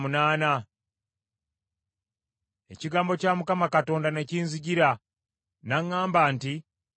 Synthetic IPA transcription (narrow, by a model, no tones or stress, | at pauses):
munaːna | e̞̰ciɡaːmbo̞caːmukamakato̞ːndane̞ciːnziɟiɾa | naŋːaːmbaːnti